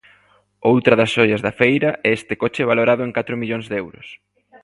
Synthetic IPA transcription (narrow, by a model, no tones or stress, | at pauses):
owt̪ɾɐðɐsʃɔʎɐzðɐfejɾɐʔɛest̪ɪkot͡ʃɪɛβaloɾaðʊeŋkat̪ɾʊmiʎoŋzðɛwɾʊ̰s